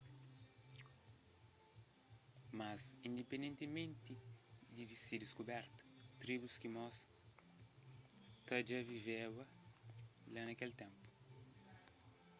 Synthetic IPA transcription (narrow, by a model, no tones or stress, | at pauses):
mazĩnd̪epẽnd̪ẽnt̪imẽnt̪id̪id̪isid̪iskubɛɾt̪ɐ̥t̪ɾibuskimɔs | k̪ɐd͡ʒavivɛwɐ | lanɐkɛlt̪ẽmpu̥